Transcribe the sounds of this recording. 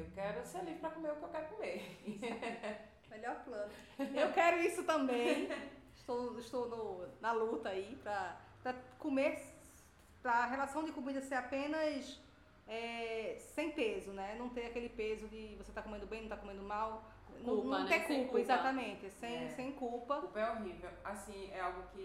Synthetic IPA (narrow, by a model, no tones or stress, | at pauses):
ewkɛɾʊseɾlivɾɪpɾɐkomeɾʊkewkɛɾʊkõmeis | mɛʎɔɾplɐ̃nʊ | ewkɛɾʊisʊt̪ɐ̃mb̃ẽɪʃt̪owʃt̪onʊnɐlut̪ɐaipɾɐpɾɐkõmeɾ | pɾɐɦelasɐ̃w̃d͡ʒ̪ɪkomid̪ɐseɾapẽnɐs | ɛsẽj̃pezʊnɛnɐ̃w̃t̪ẽakelɪpezʊd̪ɪvoset̪akomẽnd̪ʊbẽnɐ̃t̪akomẽd̪ʊmaw | nɐ̃ñw̃t̪ẽkulpɐizat̪ɐmẽt̪ɪsẽj̃sẽj̃kuwpɐkupɐɛoɦivewasĩɛawɡʊkɪ